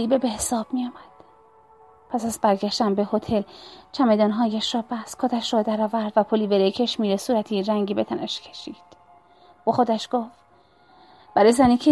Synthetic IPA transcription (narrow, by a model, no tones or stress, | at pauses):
iːbebehesɒːb̥̚mijɒːmæd̪̥ | pʰæsæzbæɾɡæʃt̪ænbehot̪ʰelt͡ʃʰæmed̪ɒːnɦɒːjeʃɒːbæskʰod̪æʃɾɒd̪æɾɒːvæɾd̪væpʰoliːbeɾecʰeʃmiːɾesuːɾæt̪ʰiːɾæŋɟiːbet̪ʰænæʃcʰe̞̥ʃiːd̪̥ | voxod̪æʃɡ̥of | b̥æɾɒjzæniːcʰe